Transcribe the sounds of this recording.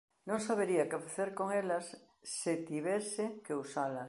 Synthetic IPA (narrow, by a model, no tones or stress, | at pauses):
nõŋsaβ̞eɾiakefaθeɾkoŋelasː | et̪iβesekeusala